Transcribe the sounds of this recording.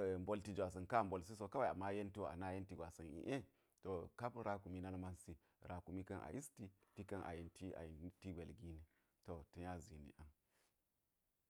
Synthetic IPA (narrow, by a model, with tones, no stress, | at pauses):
mbo˦lti˦d͡ʒa˨s̬ɐ˨nka˦˨m˨bo˨ls̬i˦so˨ka˦wa˨a˨mːa˦je˦nti˦˨a̰˨na˦je˦nti˨ɡʷa˨sa˨nḭ˨ʔe˦ | to˨ka˦pɾa˦ku˨mi˦na˦lma˦nsi˦ | ɾa˨ku˨mi˦ka˦nʔa̰˨ʔi˦sti˨ti˦ka˦nʔa̰˨ji˨nti˦a̰˨ji˨n˦ti˦ɡʷe˨lɡi˦ni˨ | to˨tu˨ɲa˦zi˨nḭ˨ʔa˨n